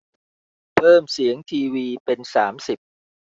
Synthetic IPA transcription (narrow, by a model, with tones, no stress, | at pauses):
pʰɤː˥˩msi˩˦əŋt̪ʰiː˧wiː˧pe˧nsaː˩˦msi˨˩p̚